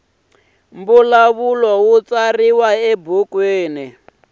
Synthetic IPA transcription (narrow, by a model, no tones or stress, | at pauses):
mbulaβulɔwut͡sariwaɛbukweːni